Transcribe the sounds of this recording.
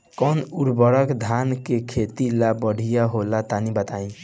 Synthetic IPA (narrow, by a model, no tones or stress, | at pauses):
kɔnuɽbəɾəkd̪ʱankekʰet̪ilabəɽ̤ijaɦolat̪anibət̪aĩ